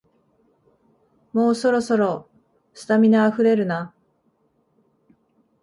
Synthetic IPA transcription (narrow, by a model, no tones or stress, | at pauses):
mo̞ːso̞ɾo̞so̞ɾo̞ | sɨ̥t̪amʲinaaɸɯ̟ɾe̞ɾɯ̟na